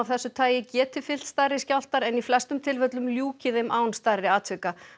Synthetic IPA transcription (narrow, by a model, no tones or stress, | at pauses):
avθɛsːʏt̪ʰaːjɪcɛːt̪ɪfɪl̥t̪st̪aːjɾɪscawl̥t̪aɾɛniflɛst̪ʏmt̪ʰɪlvœt̪lʏmljuːcɪðɪmʔaːwnst̪ajɾɪaːt̪ʰʏka